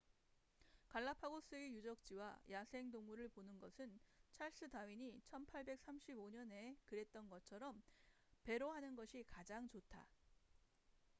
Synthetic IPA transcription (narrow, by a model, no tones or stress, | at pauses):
kaɭːapʰaɡos͈ɯijud͡ʑʌk̚t͡ɕ͈iwa̰jasʰe̞ŋdoŋmuɾɯɭponɯnɡʌsʰɯnt͡ɕʰaɭs͈ɯdawiɲit͡ɕʰʌnpʰaɭbe̞k̚s͈amɕʰiboɲʌne̞kɯɾe̞t̚t͈ʌnɡʌt͡ɕʰʌɾʌm | pe̞ɾoɦanɯnɡʌɕʰikad͡ʑaŋt͡ɕotʰa̰